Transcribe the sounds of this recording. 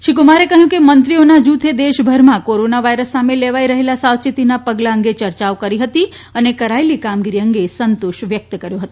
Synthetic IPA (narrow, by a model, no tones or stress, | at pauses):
ʃikumaɾekəɦjũkemənt̪ɾionad͡ʒut̪ʰed̪eʃbʱəɾmãkoɾonaʋajɾəsːameleʋaiɾəɦelasawt͡ʃit̪inapəɡlaəŋɡet͡ʃəɾt͡ʃaokəɾiɦət̪i | ənekəɾaelikamɡiɾiəŋɡesənt̪oʃʋjək̚t̪kəɾjoɦət̪o